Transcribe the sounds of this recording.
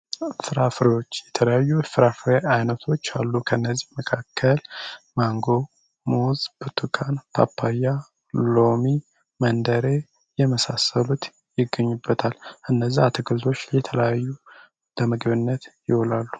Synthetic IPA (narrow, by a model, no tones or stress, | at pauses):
fɨɾafɾiwot͡ʃːjɛt̪ʰələjajːufɨɾafɾeajnət̪ʰo̞t͡ʃːalːukʰəɨnːəzːihməkʰakʰːəlmaŋɡo̞ | mozbɨt̪ʰukʰanpʰa̰pʰːaja | lo̞mi | mənd̪əɾe̞ | jɛməsasəlut̪ | jɪɡːəɲːubːət̪ʰalʔɨnːəzːiat̪ʰɨɡɨlzo̞t͡ʃːjɛt̪ʰələjajːu | ləmɨɡɨβɨnːət̪jɪholalːu̥